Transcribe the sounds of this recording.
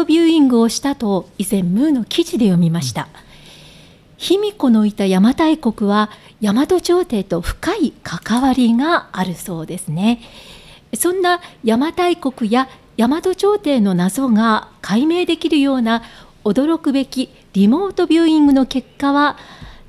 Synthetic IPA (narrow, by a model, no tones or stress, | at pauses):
obʲɨːĩŋɡɯ̟o̞ɕi̥t̪at̪o̞izẽ̞mːɯːno̞kʲʰiʑid̪e̞jo̞mʲimaɕi̥t̪a | çimʲiko̞no̞it̪ajamat̪aiko̞kɯ̟βa | jamad̪o̞t͡ɕo̞ːt̪e̞ːt̪o̞ɸɯ̟̥kaikʰakaβaɾʲiɡaːɾɯ̟so̞ːd̪e̞sɨne̞ | sõ̞nːajamat̪aiko̞kɯ̟ja | jamad̪o̞t͡ɕo̞ːt̪e̞ːno̞nazo̞ŋakʰaime̞ːd̪e̞kʲiɾɯ̟jo̞ːna | o̞d̪o̞ɾo̞kɯ̟be̞kʲi | ɾʲimo̞ːt̪o̞bʲjɨːĩŋɡɯ̟no̞ke̞kːaβa